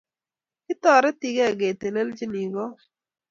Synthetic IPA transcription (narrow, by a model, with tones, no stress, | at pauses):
kɪ˦tɔ˨ɾɛ˦ti˨ɡe˦a˨ɡe˨te˨le˦ld͡ʒi˦ni˨ɡɔ˦